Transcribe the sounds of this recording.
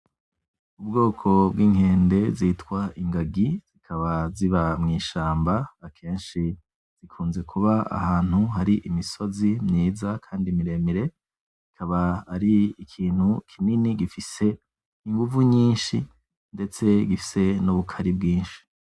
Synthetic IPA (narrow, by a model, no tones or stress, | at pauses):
ubɡo̞ːkʰo̞bɡiːŋhe̞ːnde̞zitkwaʔiŋɡaɡiz̥ikʰaβaziβamŋiːʃaːmbaːkʰe̞ːnʃi | z̥ikʰuːnze̞kʰuβaa̰haːn̥huɦaɾiʔimiso̞zimɲiːzakʰaːndimiɾe̞miɾe̞ | z̥ikʰaβaːɾiikʰiːn̥hukʰininiɡifise̞ | iŋɡuvuɲiːnʃi | nde̞t͡se̞ɡifi̥se̞nuβukʰaɾibɡiːnʃi̥